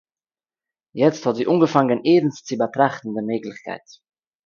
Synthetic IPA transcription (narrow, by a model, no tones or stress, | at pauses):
jɛt͡sthɑtziːʔuːŋɡəfaŋənʔeːbn̩st͡sibətɾaχtn̩dəmeːkləçkʰa̰ɪt